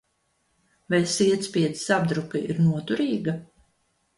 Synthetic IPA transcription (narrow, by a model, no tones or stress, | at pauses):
vɛjsiɛt̪spiɛt̪sabd̪ɾukɨiɾnuɔt̪uɾiːɡa